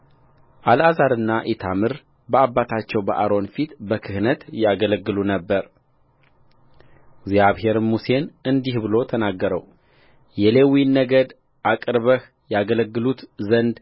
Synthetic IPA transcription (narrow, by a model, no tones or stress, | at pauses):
ʔalʔazaɾɨnːaʔet̪ʰamɨɾ | bəabːat̪ʰat͡ʃːɛwbəʔaɾo̞nfit̪bəkʰɨhnət̪jaɡələɡːɨlunəbːəɾ | ɡzjaβhe̞ɾmuse̞nɨnd̪ihbɨlo̞t̪ʰənaɡːəɾəw | jɛle̞winːəɡəd̪ | ʔakʼɨɾβəh | jaɡələɡːɨlut̪zənd̪